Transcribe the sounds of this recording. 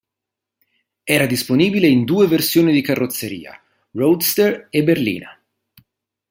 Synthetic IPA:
ɛːɾad̪isponiːbileind̪uːeversjoːnid̪ikarːot̪sːeɾḭːa̰ | rowd̪st̪ereberlḭːna̰

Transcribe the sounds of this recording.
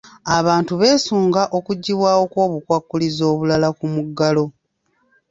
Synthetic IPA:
aβaːntuβe̞ːsuːŋɡaʔo̞kuɟːiβwaːwo̞kwo̞ːβukwakːulizo̞ːβulalakumuɡːalo̞

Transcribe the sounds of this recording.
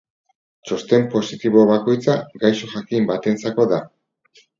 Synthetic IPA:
t͡ʃo̞st̪e̞mpo̞sit̪iβo̞βako̞jt͡saɡajʃo̞xakimbat̪ent͡sako̞ða

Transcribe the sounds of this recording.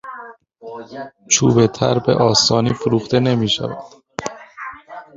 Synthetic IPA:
t͡ʃʰuːbet̪ʰæ̰ɾbḛʔɒːst̪ɒːniːfoɾuːχt̪e̞ne̞miːʃæ̰væ̰d̪̥

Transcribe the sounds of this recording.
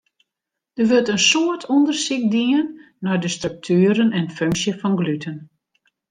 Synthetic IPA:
d̥ərʋøltənsoətʰɔndərsikdiənː | ɔjdəstrøk̚tʰyːəɾənɛnføŋsjəfɔnɡlytʰən

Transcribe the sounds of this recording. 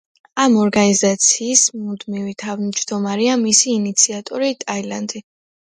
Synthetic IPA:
amɔɾɡanizat̪sʰiːsmud̪mivit̪ʰavd͡ʒd̪ɔmaɾiamisiːnit̪sʰiat̪ʼɔɾit̪ʼailand̪i

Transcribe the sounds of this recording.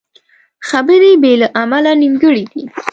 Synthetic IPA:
xabəɾebelaʔamalaniŋɡəɽid̪i

